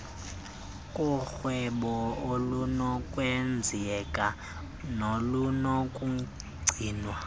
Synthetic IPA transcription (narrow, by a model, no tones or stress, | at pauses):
kʼuxwɛɓɔolunɔkʼwɛnd͡zʱiɛkʼa | nolunɔkʼu | ɡ͡ǀʱiːnwa